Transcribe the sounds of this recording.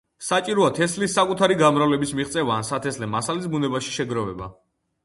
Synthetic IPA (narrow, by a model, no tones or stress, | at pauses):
sat͡ʃʼiɾɔat̪ʰɛslisːakʼut̪ʰaɾiɡamɾavlɛbismiχt̪sʼɛvaːnsat̪ʰɛslɛmasalisbunɛbaʃi̥ʃɛɡɾɔvɛba̰